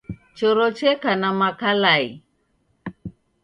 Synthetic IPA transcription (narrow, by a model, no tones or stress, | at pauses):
t͡ʃɔɾɔt͡ʃɛkanamakalai